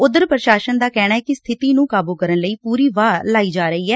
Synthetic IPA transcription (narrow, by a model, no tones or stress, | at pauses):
ʊd̪əɾpɾəʃaːʃənd̪aːkɛːɽ̃aːɛːkɪst̪ʰɪt̪iːnũːkaːbuːkəɾənləiːpuːɾiːʋaːlaːiːd͡ʒaːɾəiːɦɛː